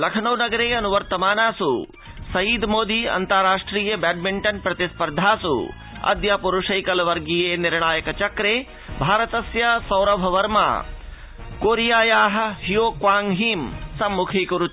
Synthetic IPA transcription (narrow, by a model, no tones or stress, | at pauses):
lɐkʰɐnɐwnɐɡɐɾeːɐnuʋɐɾt̪ɐmaːnaːsu | sɐjiːd̪moːd̪iɐ̰nt̪ɐɾaːʂʈɾiːjɐbaːɖ̚miɳʈɐnpɾɐt̪ispɐɾd̪ʱaːsṵ | ɐ̰d̪jaːpuɾuʂɐjkɐlɐʋɐɾɡijeːniɾɳaːjɐkɐt͡ʃɐkɾeː | bʱaːɾɐt̪ɐsjɐsɐwɾɐbʱɐʋɐɾma̰ː | koːɾijaːjaːɦɐ̆ɦijoːkʋaːŋɦiːmsɐmːukʰiːkuɾu